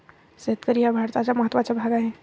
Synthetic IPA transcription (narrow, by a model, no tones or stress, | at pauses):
seət̪̚kəɾiabʱaːɾt̪at͡ʃaməɦət̪ːʋat͡ʃabʱaːɡaɦɛ̃